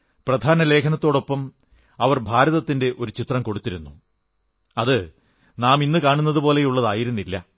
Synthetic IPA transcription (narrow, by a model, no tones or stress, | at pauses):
prɐd̪ʱaːnɐle̞ːkʰɐnɐt̪ːo̞ːɽo̞pːɐm | ɐʋɐrbʱaːɾɐðɐt̪ːinde̞ʔo̞ɾut͡ɕit̪rɐmko̞ɽut̪ːiɾunːu | ɐðɨ | naːminːɨkaːɳunːɐðupo̞ːle̞juɭːɐðaːjiɾunːilːɐ